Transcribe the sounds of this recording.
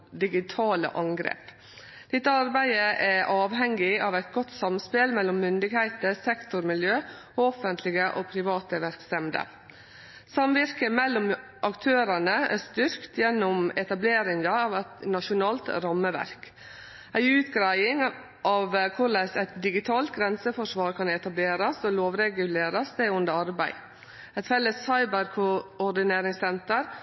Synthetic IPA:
d̪ɪɡɪt̪ʰɑːlə̰ʔɑŋɡɾḛːp | d̪̥ɪt̪ːəɑɾbæɪəʔæʔɑːʋɦɛŋɡɪɑːʋæɪt̪ɡɔt̪ːsɑmspɪlmɛlːɔmːʏnd̪ɪɡhæɪt̪əɾsɛkt̪ʊɾmɪljøː | ɔfənt̪ʰlɪɡəʔoːpʰɾɪʋɑːt̪əʋæɾksɛmd̪ə̰ | sɑmʋɪɾkəmɛlːɔm | ʔɑkt̪ʰøːɾɑnəæ̰st̪ʏɾkt̪jɛnːʊmɛt̪ɑbleːɾɪŋɑɑːʋɛt̪nɑʂʊnɑːlt̪ɾɑmːəʋæ̰ɾk | æɪʉːt̪ɡɾæɪɪŋ | ʔɑːʋkʰʊɭæsæɪt̪d̪ɪɡɪt̪ʰɑːlt̪ɡɾɛnsəfɔʂʋɑːɾkʰɑnɛt̪ɑbleːɾɑsoːloːʋɾɛɡʉleːɾɑsd̪eːʊnd̪əɑɾbæɪ | ɛt̪fɛlːəshɑɪbəɾkʰʊɔɾɖ̪ɪneːɾɪŋsɛnt̪əɾ

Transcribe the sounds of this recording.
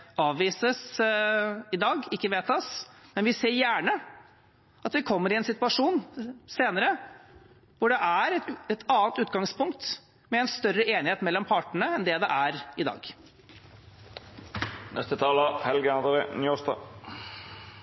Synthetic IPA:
ɑːʋʋiːsəs | ɪd̪ɑːɡɪkːəʋeːt̪ɑsmɛnʋɪseːɾjæːɳə | ɑt̪ʋɪkʰɔmːəɾɪɛnsɪt̪ʉɑʂuːnseːnəɾə | ʋʊɖɛʔæɾɛt̪ʰɑːnt̪ʉːt̪ɡɑŋspʊŋkt̪ | mɛɛnst̪œrːəʔeːnɪheːt̪mɛlːɔmpʰɑːʈəɳəɛnd̪ɛd̪ɛʔæɾɪd̪ɑ̰ːɡ | nɛ̰st̪ət̪ʰɑːləhɛlɡəɑnd̪ɾenːɔsd̪ɑ̰ː

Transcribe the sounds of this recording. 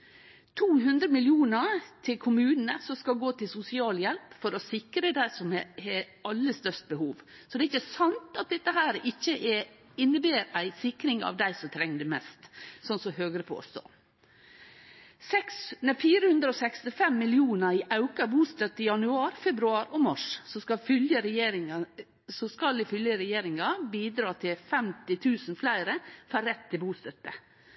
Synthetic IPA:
t̪ʰuːɦʉnd̪ɾəmɪljuːnət̪ʰɪlkʰʊmʉːnn̩əsɔmskɑlɡoːt̪ɪlsʊsɪɑːljɛlpfɔɾɔsɪkɾəd̪æɪsɔmɛhɛ | ɑlːəst̪œʂt̪̚bəhuːʋsɔd̪ɛːɪçːəsɑnt̪ɑt̪̚d̪ɛt̪ːəɦæːɾɪçːəʔɛ | ɪnːəbeːɾæɪsɪkɾɪŋɑ̰ʋd̪æɪsɔmt̪ʰɾɛŋːd̪əmɛst̪sɔnsɔhøːɡəɾəpʰo̰ːst̪o̰ː | sɛksnɛfiːɾəhʉnd̪ɾəɔːsɛkst̪ɪfɛmːɪlɪuːnəiʔɑʉkɑbuːst̪œt̪ːəɪjɑnʉɑːɾfɛbɾʉɑːɾoːmɑʂsɔskɑfʏljəɾeːɾɪ | sɔskɑld̪ɪfʏljəɾɛjeːɾɪŋɑbiːd̪ɾɑːt̪ʰɪlfɛmt̪ɪt̪ʰʉːsnflæɪɾəfæɾɛt̪ʰːɪlbuːst̪œt̪ːə

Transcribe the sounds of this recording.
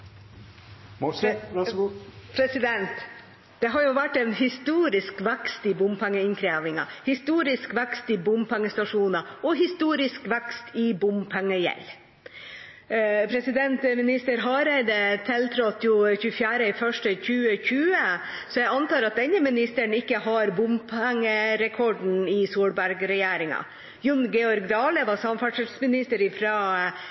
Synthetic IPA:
pʰɾɛsɪd̪ɛnt̪ | d̪̥ɛɦɑɾjʊʋæʈːɛnɦɪst̪uːɾɪskʋækst̪ɪbʊmpʰæŋːəɪnkʰɾeːʋɪŋɑ̰hɪst̪uːɾɪskʋækst̪ɪbʊmpʰæŋːəst̪ɑʂuːnɑɔɦɪst̪uːɾɪskʋækst̪ʰɪbʊmpʰæŋːəjɛ̰l | pʰɾɛsɪd̪ɛnt̪mɪnɪst̪əɾɦɑɾɛɪd̪ət̪ʰɛlt̪ʰɾɔt̪ːjʊçʉːəfjæːɾəɪfœʂʈəçʉːəçʉːə | sɔjæɪɑnt̪ɑːɾɑt̪̚d̪ɛɲːəmɪnɪst̪əɳɪkːəɦɑɾbʊmpʰæŋːəɾɛkʰɔɖn̩ɪsuːɽbæɾɡɾɛjeːɾɪŋɑ̰ | jʉnɡɛɔɾɡd̪ɑːləʋɑsɑmfɑʂəsmɪnɪst̪əɾɪfɾɑː

